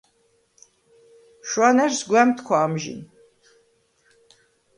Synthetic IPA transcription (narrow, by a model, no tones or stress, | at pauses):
ʃwanɛɾsɡwɛmt̪ʰkʰwaːmʒḭn